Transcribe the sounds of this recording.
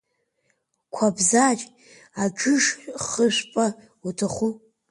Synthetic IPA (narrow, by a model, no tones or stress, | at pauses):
kʷʰabzat͡ʃʼ | ad͡ʒʰʊʂʷχəʃʷpʼa | utʰaχʷu